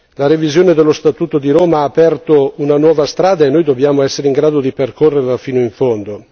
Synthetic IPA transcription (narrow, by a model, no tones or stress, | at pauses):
laɾevizjoːned̪elːost̪at̪uːt̪od̪iɾoːmaaːpɛrt̪ounanwɔːvast̪ɾaːd̪aenːojd̪objaːmoɛsːeɾeiŋɡɾaːd̪od̪iperkʰorːerlafiːnoiɱfond̪o